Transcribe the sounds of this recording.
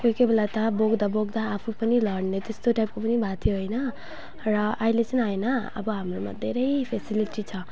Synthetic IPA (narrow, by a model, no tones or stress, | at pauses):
kokebʱelat̪ʌboɡd̪aboɡd̪aːpʰupʌnilʌɽnet̪est̪oʈajp̚kopʌnibʱat̪ʰjoɦʌjnʌ | rʌʔailet͡sʌnaenʌʌ̰bʌɦamroma̰d̪ʱeɾʌjpʰesiliʈit͡sʰʌ